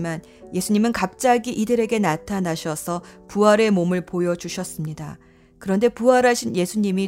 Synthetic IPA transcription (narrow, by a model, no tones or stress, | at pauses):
man | je̞sʰuɲimɯnkap̚t͡ɕ͈aɡiʔidɯɾe̞ɡe̞natʰanaɕʰʌsʰʌpuɦaɾe̞momɯɭpojʌd͡ʑuɕʰʌs͈ɯmɲida | kɯɾʌnde̞puaɾaɕʰinje̞sʰuɲimi